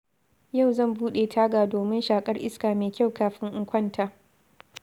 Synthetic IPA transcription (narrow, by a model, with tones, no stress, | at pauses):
ja˦˨wzɐ˦˨mbuː˦ɗeː˨tʰaː˦ɡaː˨doː˨mɪ˦nʃaː˨kʼɐ˦rʔɪ̰˦skaː˨meː˨kʲa˦˨wkaː˨ɸɪ˦ŋʔʊ˦ŋkʷɐ˦˨ntʰaː˨